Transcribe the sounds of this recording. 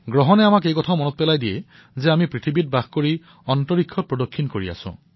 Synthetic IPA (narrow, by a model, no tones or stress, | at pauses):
ɡɹɔɦɔnɛamakejkɔtʰaʊmɔnɔt̚pɛlajdijɛ | zɛamipɹitʰibit̚baxkoɹi | ɔntɔɹikʰːɔt̚pɹɔdokʰːinkoɹia̰sʊ̰̃